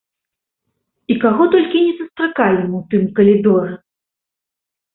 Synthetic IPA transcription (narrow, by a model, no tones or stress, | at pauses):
ikaɣɔt̪ɔlʲkʲinʲɛsust̪ɾakalʲnmɐwt̪ɨmkɐlʲid̪ɔɾɛ